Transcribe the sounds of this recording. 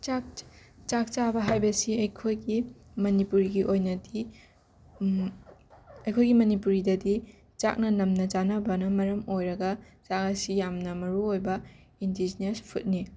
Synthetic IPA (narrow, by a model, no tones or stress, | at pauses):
t͡ʃakt͡ʃak̚t͡ʃabɐɦajbɐsiɐjkʰojɡi | mɐnipuɾiɡiʔojnɐdi | ɐjkʰojɡimɐnipuɾidɐdi | t͡ʃa̰k̚nɐnɐmnɐd͡ʒanɐbɐnɐmɐɾɐmojɾɐɡɐ | t͡ʃakɐsijamnɐmɐɾuojbɐ | indid͡ʒinespʰut̚ni